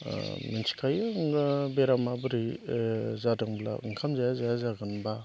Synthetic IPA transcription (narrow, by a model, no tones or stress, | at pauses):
minsʰi̥kʰajɯŋbeɾamabɯɾi | zadaŋbla̰ɯŋkʰamzajazajazaɡɯnba